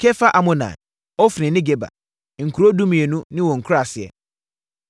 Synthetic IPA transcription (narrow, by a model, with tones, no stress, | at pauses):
kʰɛ˦fa˦ʔa˨mʊ̃˦nã̰˨n | ɔ˦fɪ̃˨nɪ̃˦ɡɛ˦ba̰˨ | ŋ̩˨kʰu˨ɾo˦dũ˦mĩ˨ɛ˨nũ˦nɪ̃˦wɔ̃˨ŋ̩˨kʰa˦˨sɪ˨ɛ̰˨